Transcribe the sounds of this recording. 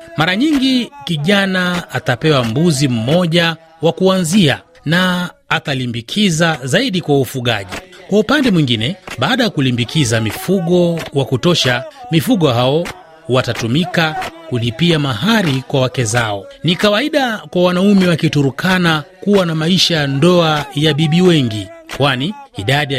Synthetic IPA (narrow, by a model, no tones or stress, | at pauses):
maɾaɲiŋɡikiʄanaːtapɛwambuzim̩mɔʄa | wakuanzia̰ | naːtalimbikʰizazaiɗikwaufuɠa̰ʄikwaupandɛmwiŋɡinɛɓaːɗajakulimbikʰizamifuɠɔwakutɔʃamifuɠɔɦaɔ | watatumikakulipiamaɦaɾikwawakɛzaɔnikawaiɗakwawanaumɛwakituɾukʰanakuwanamaiʃandɔajaɓiɓiwɛŋɡikwaniːɗaɗi